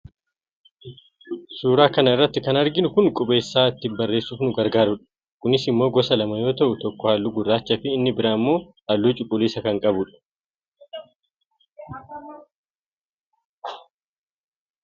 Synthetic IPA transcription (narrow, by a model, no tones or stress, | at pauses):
suːɾaːkɐnɐɪrːɐt̪ːɪkɐnɐɾɡɪnʊkʊnkʼʊbe̞ːsːaːɪt̪ːɪbɐrːe̞ːsːuːfnʊɡɐɾɡaːɾʊᶑɐ̥ | kʊnɪsɪmːo̞ːɡɔsɐlɐmɐjo̞ːt̪ɐʔʊt̪ɔkːɔhaːlːuɡʊrːaːt͡ʃːɐfɪːnːɪbɪɾaːmːo̞ː | ɐlːuːt͡ʃʼʊkʼːʊliːsɐkɐŋkʼɐbʊᶑɐ̥